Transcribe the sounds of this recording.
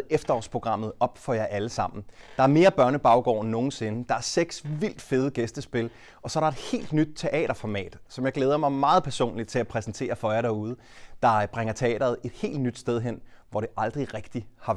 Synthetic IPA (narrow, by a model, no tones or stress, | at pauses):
efd̥ɐɒ̰ːspʰʁo̝ɡ̥ʁɑ̈m̰ð̞̩ˠɒ̽b̥fɒ̽jɑ̈ɪʔæləsɑ̈m̰n̩ | d̥ɑ̈æɐme̝ːɐb̥ɶɐnəb̥ɑ̈ʊɡ̥ɒ̰ːnnːo̝ːn̩se̝nəd̥ɑ̈æɐseɡ̥sʋil̰d̥fe̝ːð̞̩ˠəɡ̥esd̥əsb̥e̝l | ɒ̽sɒ̽æɾ̥ɑ̈e̝d̥he̝̰ːld̥nyd̥̚t͡sʰe̝ʔɛ̰ːɾ̥ɐfɒmɛ̰ːd̥sɒmjɑ̈ɪ̥leːð̞ˠɐmɑ̈ɪmɑ̈ːð̞̩ˠpʰæɐso̝̰ːnlid̥̚t͡sʰe̝æpʰʁɛsn̩t͡sʰe̝̰ːɐfɒ̽jaɾæɐuð̞ˠə | d̥ɑ̈b̥ʁɛŋɐt͡sʰe̝ɛ̰ːɾ̥ɐð̞̩ˠe̝d̥he̝̰ːld̥nyd̥sd̥eð̞ˠɦen̰ʋɒɾ̥e̝ʔɑ̈ld̥ʁiʁɛɡ̥d̥ihɑ̈